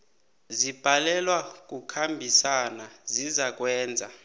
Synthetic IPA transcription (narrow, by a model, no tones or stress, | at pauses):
zib̥ʱalɛlwak̬ʼukʰambʱisanazizak̬ʼwɛːnd͡zʱa̰